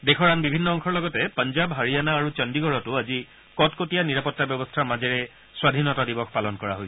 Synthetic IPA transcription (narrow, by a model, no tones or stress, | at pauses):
dekʰɔɹanbibʱinːɔɔŋkʰɔɹlɔɡɔtɛpand͡ʒabɦaɹianaːɹut͡ʃɔndiɡɔɹɔtʊazi | kɔtkotijaniɹapɔtːabjɔbɔstʰaɹmazɛɹɛ | swadʱinɔtadibɔkʰpalɔnkɔɹa̰ɦoj